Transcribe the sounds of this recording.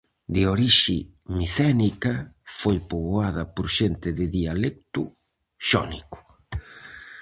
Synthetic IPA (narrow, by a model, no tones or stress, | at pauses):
d̪eoɾiʃimiθɛnikɐfojpoβoaðɐpoɾʃent̪ɪðɪðialek̚t̪ʊ | ʃɔ̰nikʊ̥